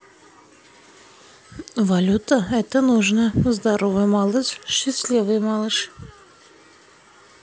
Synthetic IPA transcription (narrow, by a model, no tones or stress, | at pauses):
valʲut̪əɛt̪ənuʐnəzd̪aɾovɨjmɑlˠɨʂɕɪsʲlʲivɨjmɑlˠɨʂ